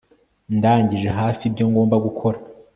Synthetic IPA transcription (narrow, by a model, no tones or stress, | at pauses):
ndaːɲɟiʒe̞ɦaːfibɟo̞ːŋɡo̞ːmbaɡukʰo̞ɾa